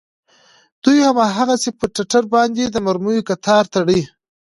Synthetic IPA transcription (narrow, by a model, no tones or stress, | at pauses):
d̪̥ujhamɑɦaɣasepəʈaʈaɾbɑnd̪ed̪əmaɾmujokat̪ʰɑɾt̪aɽə